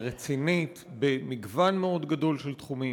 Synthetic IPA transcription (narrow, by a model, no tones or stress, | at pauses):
ʁet͡sinitbemiɡvanmeo̞d̪ɡado̞lʃelt̪χumi